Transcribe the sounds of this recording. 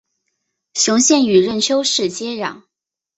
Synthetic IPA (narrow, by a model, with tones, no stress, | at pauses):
ɕjʊ˧˥ŋɕjɛ˥˩ny˨˩ɻə˥˩nt͡ɕʰjo˥ʊʂɻ̩˥˩t͡ɕjɛ˥ɻɑ̰˨˩˦ŋ